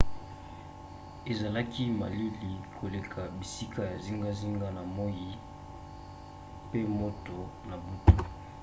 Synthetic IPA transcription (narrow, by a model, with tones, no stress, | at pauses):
e˨za˨la˦ki˦ma̰˨li˦li˨kʰo˨le˨kʰa˨bi˨si˦kʰa˦ja˨zi˦ŋɡa˦zi˦ŋɡa˦na˨mo˦ji˦ | pe˦mo˦to˨na˨bu˦tu˨